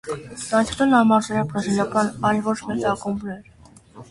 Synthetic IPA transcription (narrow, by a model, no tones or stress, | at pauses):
t̪ɑnt̪ʰt̪ɛnɑmɑɾzɛɾɑbɾɑziljɑkɑnɑjlvɔt͡ʃʰmɛt͡sɑkumbnɛɾ